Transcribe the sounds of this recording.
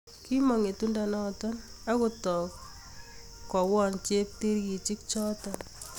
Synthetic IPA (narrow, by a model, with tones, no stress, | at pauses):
ki˦mɔ˨ŋe˨tu˦nda˨nɔ˦tɔ˦n | a˦kutɔ˨k | kːɔ˨wɔ˦nt͡ʃe˦k̚ti˦ɾki˨t͡ʃɪ˦k̚t͡ʃɔ˦tɔ˨n